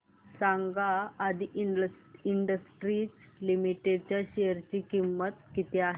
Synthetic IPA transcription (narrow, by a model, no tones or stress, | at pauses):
saŋɡaːd̪ʱiʔ | iɳɖəsʈɾit͡s | limiʈeɖt͡ɕjaɕeəɾt͡ɕiːkimːət̪kit̪eaɦ